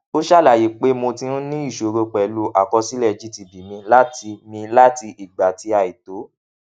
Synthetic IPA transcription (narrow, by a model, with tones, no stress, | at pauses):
o˦ʃa˦˨la˦˨je˨˦k͡pe˦mo˧tĩ˧ɾũ˦nĩ˦i˦˨ʃo˨ɾo˧k͡pɛ˨lu˨˦ʔa˨kɔ˧si˦lɛ˦˨d͡ʒi˦ti˧bi˨mĩ˧la˦ti˧mĩ˧la˦ti˧ʔi˨ɡ͡ba˨ti˧a˧˨i˨to˨˦